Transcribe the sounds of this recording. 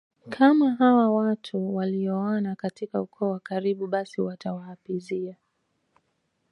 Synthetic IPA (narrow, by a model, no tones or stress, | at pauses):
kʰamaɦawawatʰuwaliɔɔnakatikaukʰɔːwakaɾiɓuɓasiwatawahapizia